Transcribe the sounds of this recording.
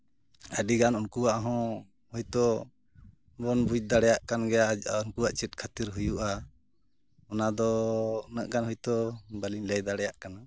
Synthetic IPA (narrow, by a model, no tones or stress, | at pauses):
əɖiɡanɔnkuwaʔɦɔ̃ | hɔjt̪ɔ | bɔnbud͡ʒ̚d̪aɽɛjaʔkanɡɛjaɔnkuwaʔt͡ʃɛt̚kʰat̪iɾɦujuʔa | ɔnad̪ɔnəʔɡanɦɔjt̪ɔbaliɲləjd̪aɽɛjaʔkana